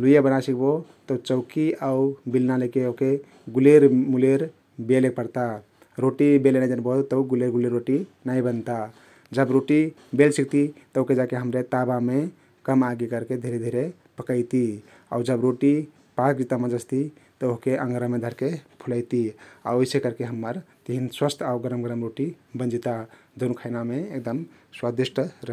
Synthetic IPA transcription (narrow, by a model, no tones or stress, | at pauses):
lujabənasikbot̪ət͡ʃəʊkiaubilnaləkeoɦke | ɡuleɾmuleɾ | belek̚pəɾt̪a | ɾoʈibelenad͡ʒənbəɦt̪t̪əuɡuleɾɡuleɾːoʈinaibənt̪a | d͡ʒəbɾoʈibelsik̚t̪it̪əoked͡ʒakeɦəmɾet̪abame | kəmaɡikəɾked̪ʱiɾed̪ʱiɾe | pəkəjt̪i | a̰ud͡ʒəbɾoʈi | pakd͡ʒit̪amãd͡ʒəst̪i | t̪əoɦkeʔə̃ŋɡɾəmed̪ʱəɾkepʰuləjt̪ia̰oisekəɾkeɦəmːəɾt̪iɦinswəst̪ʰauɡəɾəmɡəɾəmɾoʈibə̃nd͡ʒit̪a | d͡ʒ̪onukʰaɪnameːk̚d̪əm | swad̪isʈɾə